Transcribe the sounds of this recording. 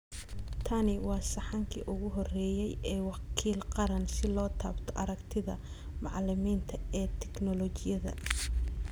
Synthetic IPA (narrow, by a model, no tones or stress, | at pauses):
t̪ʰɐnɪwɑːsɑħɑŋkʰḭːʔʊɣʊɦɔrɛːjɛjɛːwɑkʰiːlqɑɾɐnsɪlɔːt̪ʰaːbt̪ʰɔʔɐɾɐkt̪ʰɪðɐ̰ | mɑʕlɪmiːnt̪ʰɐɛːt̪ʰɛknɔlɔt͡ʃɪjɐðɐ̰